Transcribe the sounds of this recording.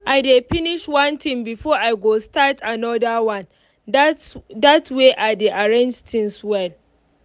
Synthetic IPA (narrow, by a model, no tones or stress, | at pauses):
ʔajdeɸɪnɪʃwɐnt̪ɪmbɪfɔːʔajɡostatʰʔanɔdawan | datweːʔadeʔaɹɛnd͡ʒtɪnswɛl